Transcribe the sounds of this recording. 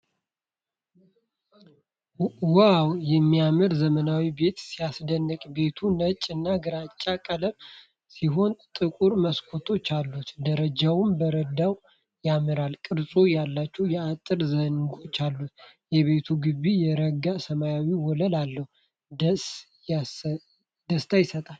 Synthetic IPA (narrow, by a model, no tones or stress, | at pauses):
wawjɛmːiamɨɾzəmənawibe̞t̪sijasd̪ənːəkʼbe̞t̪ʰunət͡ʃʼɨnːaɡɨɾat͡ʃʼːakʼələm | siɦo̞nt̪ʼɨkʼuɾməskʰo̞t̪ʰo̞t͡ʃːalːut̪d̪əɾəd͡ʒawʊmbəɾəd̪aw | jamɨɾalkʼɨɾsʼujalːat͡ʃːɛwjɛat̪ʼɨɾzənɡo̞t͡ʃːalːut̪jɛβe̞t̪ʰuɡɨβijɛɾəɡasəmajawiwɔləlalːəhu | ds | d̪əst̪ʰajɪsət̪ʼal